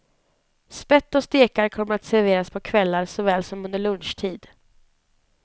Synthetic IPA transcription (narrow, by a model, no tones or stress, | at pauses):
spɛt̪ːɔst̪eːkaɾkʰɔmːəɾat̪sæɾveːɾaspʰɔkʰvɛlːaɾsɔvɛːlsɔmɵnd̪əɭɵnʂʈʰiːd̪